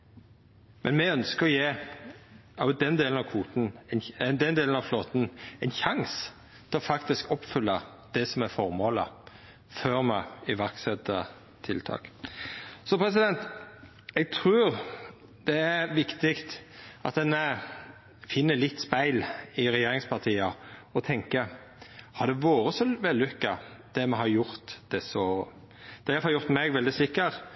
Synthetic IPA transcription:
mʔɛnmɛœnskəɾɔjeː | ɑʊd̪ɛnd̪eːln̩ɑʋkʰʋuːt̪n̩ɛnd̪ɛnd̪eːln̩ɑʋfloːt̪n̩ɛɪnçɑŋs | t̪ʰɛlɔfɑkt̪ɪskɔpfʏlːə | d̪̥ɛsɔmæɾfɔɾmoːlə̰ | fœɾmɑ̰ɪʋæɾksɛt̪ːə | t̪ʰɪlt̪ʰɑ̰ːk | sɔpʰɾɛsɪd̪ɛnt̪ | ɛɡ̚t̪ʰɾʉːɾ | d̪̥ɛæɾʋɪkt̪ɪkt̪ʔɑt̪̚d̪ɛnə | fɪnːəlɪt̪ːspæɪlɪɾɛjeːɾɪŋspʰɑʁt̪ʰiːəɔt̪ʰɛŋkə | hɑɾd̪ɛʋoːɾəsɔʋɛlːʉkːəd̪̥ɛmɛɦɑɾjʊɾt̪d̪̥ɛsɔ | d̪̥ɛæhɑɾjʊɾt̪mɛɡʋɛld̪ɪsɪkːəɾ

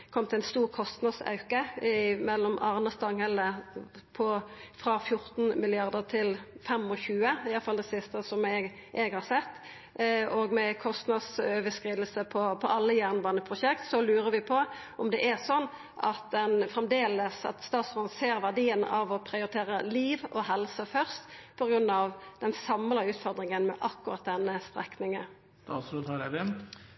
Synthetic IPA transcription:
kʰɔmt̪ʰɪæɪnst̪uːʁkʰɔst̪nɑd̪sɑ̰ʉkəɪmɛlːɔmɑʁnɑst̪ɑŋhɛlə | pʰɔfɾɑfjʊɾt̪n̩mɪlɪɑʁd̪əʁt̪ʰɪlfɛmɔçʉːəɪjɑlfɑld̪ɛsɪst̪əsɔmɛɡ | ʔɛɡhɑːʁsɛt̪ː | ɔɡmɛkʰɔst̪nɑd̪søːʋəskʁiːd̪əl̩səpʰɔpʰɔʔɑlːəjæʁnbɑːnəpʰʁʊʃɛkt̪sɔlʉːɾəʋɪpʰɔ | ʔɔmd̪ɛʔæʁsɔnː | ʔɑt̪̚d̪ɛnfʁɛmd̪eːləsɑ̰t̪st̪ɑːt̪sɔseːɾʋæʁd̪iːənɑ̰ʋɔpʰɾɪʊɾɪt̪ʰeːɾəliːʋɔɦɛlsəfœʁst̪pʰɔɡɾʉnːɑʋd̪ɛnsɑmlɑʉːt̪fɔʁd̪ɾɪŋənmɛʔɑkːʊɾɑt̪̚d̪ɛnːəst̪ʁɛ̰knɪŋən | ɑsʉd̪hɑdɛʋɛn

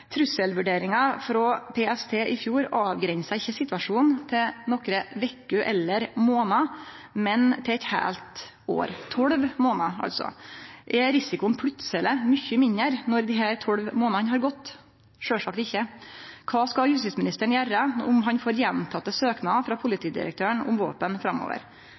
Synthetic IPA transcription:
t̪ʰɾʉsəlʋʉɖeːɾɪŋɑfɾɔpʰeːɛst̪ʰeːʔɪfjuːɾɑːʋɡɾɛnsæɪçːəsɪt̪ʋɑʂuːnt̪ʰɪnɔkɾəʋɛkːʉʔɛ̰lːəɾmoːnɑ | mɛnt̪ʰɪɛt̪hæ̰ːlt̪ | o̰ːɾt̪ʰɔɽʋmoːnɑɑ̰lsɔ̰ʔɛɾɪsɪkʊənpʰɽʉt̪sələmʏçːəmɪnəɾnɔɾd̪ɪɦæːɾt̪ʰɔɽʋmoːnɑnɦɑːɾɡɔt̪ː | ʂøːʂɑk̚t̪ɪçːəkʰɑːskɑjʉst̪ɪsmɪnɪst̪əɳ̩jærəʊmɦɑnfoːɾjɛnt̪ʰɑt̪ːəsøːknɑfɾɑpʰʊlɪt̪ʰiːd̪ɪ̰ɾə̰k̚t̪ʰøːəɳʊ̰mʋo̰ːpənfɾɑmːo̰ːʋə̰ɾ

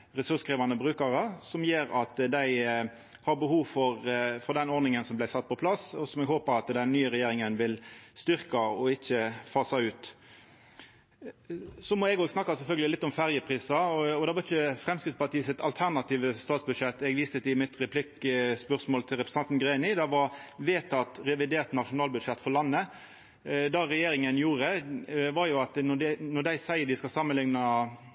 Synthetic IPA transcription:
ʁɛsʉʁskʁiːʋɑnəbʁʉːkɑʁəsɔmjeːɾɑt̪d̪æɪ | hɑɾbəhuːʋfɔɾfɔɾd̪ɛnɔɾnɪŋənsɔmlæɪsɑt̪̚ːpʰɔpʰlɑsɔsɔmɛɡhoːpəɾɑt̪d̪ɛnːyːəɾɛjeːɾɪŋənʋɪlst̪ʏʁkɑɔɪçəfɑːsɑʉːt̪ | sɔmɔɛɡoːɡsnɑkːɑsɛlfœlɡəlɪlɪt̪ːɔmfæʁjəpʰʁiːsɑɔd̪ɑʋɑɾɪçəfɾɛmskɾɪt̪pʰɑt̪iːəsɪt̪ʰɑlt̪ʰæʁnɑt̪ʰiːʋəst̪ɑːt̪sbʉd̪ʂɛt̪ːɛɡʋiːst̪ət̪ɪmɪt̪ɾɛpʰlɪkspœʁsmoːlt̪ʰɪlɾɛpɾ̥s̩ɑnt̪nɡɾeɪnɪd̪ɑʋɑʋeːt̪ʰɑt̪ɾɛʋɪd̪eːʁt̪nɑʂʊnɑːlbʉd̪ʂɛt̪ːfɔlɑnːə | d̪ɑɾɛjeːɾɪŋənjuːɾəʋɑɾjʊɑt̪nɔd̪nɔd̪æɪsæɪəɾd̪ɪskɑsɑmːənlɪŋnɑ

